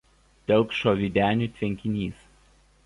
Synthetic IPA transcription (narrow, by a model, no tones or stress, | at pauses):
t̪ʲɛlˠkʃoːʋʲiːd̪ʲæːnʲuˑt̪ʲʋʲɛŋʲkʲɪnʲiːs